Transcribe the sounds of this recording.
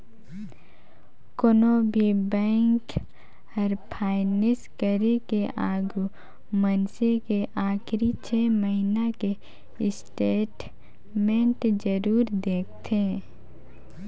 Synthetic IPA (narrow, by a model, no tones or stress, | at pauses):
konobʱibɛ̃ːŋk | əɾpʰaːɪnɪskəɾekeʔaːɡu | mənsekeʔaːxɾit͡ʃʰeːməɦinake | ɪsʈeːʈ | mẽɳʈd͡ʒəɾuːɾd̪eːk̚ʰt̪ʰe